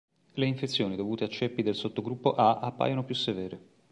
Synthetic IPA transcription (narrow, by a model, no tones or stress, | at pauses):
leiɱfet̪sːjoːnid̪ovuːt̪eat͡ʃːɛpːid̪elsot̪ːoɡɾupːoʔaʔapːa̰ːjonopjusːevɛːɾe